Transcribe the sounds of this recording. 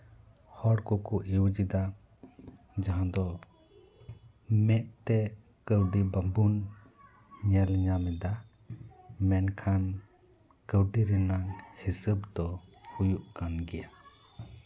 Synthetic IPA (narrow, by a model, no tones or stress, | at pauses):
hɔɽkɔkuʔiwd͡ʒid̪a | d͡ʒaɦãd̪ɔ | mɛʔ̚t̪ɛ | kəwɖibabun | ɲɛlɲamɛd̪a | mɛnkʰan | kəwɖiɾɛnaŋhisəbd̪ɔhujuʔkanɡɛja